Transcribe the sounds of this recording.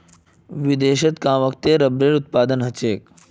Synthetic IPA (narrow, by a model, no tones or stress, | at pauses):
ʋid̪eːɕət̪kãːʋək̚t̪eɾɐbɾeːɾut̪̚paːd̪ənɦɐt͡ʃeːk